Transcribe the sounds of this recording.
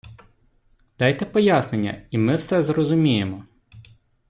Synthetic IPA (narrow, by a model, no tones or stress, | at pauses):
d̪̥ɑjt̪ɛpɔjasnenʲːɐ̰imɪwsɛzrɔzʊmʲijemɔ